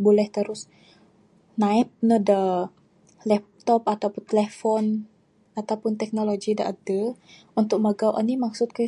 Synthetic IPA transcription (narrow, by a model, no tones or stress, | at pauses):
bolɛht̪əɾʊs | naip̚nədə | lɛp̚t̪ɔpat̪awpʊnt̪əlɛfɔn | at̪awpʊnt̪ɛk̚noloɡidaʔadə | unt̪ʊk̚məɡawʔa̰nimaksʊt̪̚kə